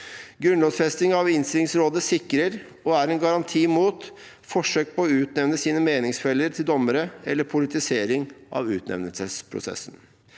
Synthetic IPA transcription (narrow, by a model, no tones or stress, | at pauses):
ɡɾʉnloːsfɛst̪ɪŋɑʋɪnst̪ɪlɪŋsɾoːd̪əsɪkːɾəɾ | ɔæɾɛnɡɑɾɑnt̪ʰiːmuːt̪ | fɔʂøːk̚pʰɔɔʉːt̪nɛʋnəsiːnəmeːnɪŋsfɛlːəɾt̪ʰɪld̪ɔmːəɾəɛlːəɾpʰʊlɪt̪ɪseːɾɪŋʔɑ̰ʋʉːt̪nɛ̰ʋnəlsəspʰɾʊ̰sɛ̰sːn